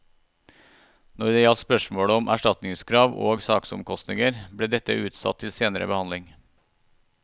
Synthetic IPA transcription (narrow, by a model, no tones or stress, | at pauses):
nɔɾd̪eːjɑt̪spœʃmoːɽəɔmʔæ̰ʃʈɑt̪nɪŋskʰɾɑːʋo̰ːɡsɑːksʊmkʰɔst̪nɪŋəɾbɽeːd̪ɛt̪əʔʉːt̪sɑ̰t̪ʰːɪlseːnəɾə̰bəhɑnlɪŋ